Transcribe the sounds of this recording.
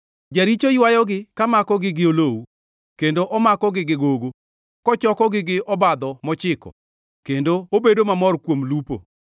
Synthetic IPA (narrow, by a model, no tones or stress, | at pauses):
d͡ʒaɾit͡ʃojwajɔɡɪkamakɔɡɪɡɪolowu | kendoʔɔmakɔɡɪɡɪɡoɡo | kɔt͡ʃɔkɔɡɪɡɪʔɔbad̪ɔmɔt͡ʃɪkɔ̰ | kendoobedomamɔrkwomlupo̰